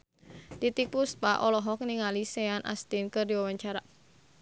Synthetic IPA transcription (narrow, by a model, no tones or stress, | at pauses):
t̪it̪ik̚pus̚paʔɔlɔɦɔk̚niŋaliseanʔa̰st̪inkərdiwawaɲt͡ʃaɾa